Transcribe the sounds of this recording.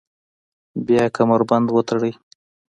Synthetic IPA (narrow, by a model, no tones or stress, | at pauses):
bjɑkʰamaɾband̪wət̪aɽəj